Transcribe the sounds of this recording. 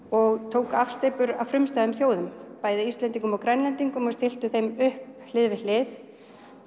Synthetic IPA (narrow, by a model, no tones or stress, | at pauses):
ɔɣt̪ʰoːwkafst̪ejpʏɾavfɾʏmst̪ajðʏmθjoːwðʏmpaːjðɪist̪lɛnt̪iŋkʏmɔwkɾɛnlɛnt̪iŋkʏmɔst̪ɪl̥t̪ʏθejmʏhpl̥ɪðvɪlɪθ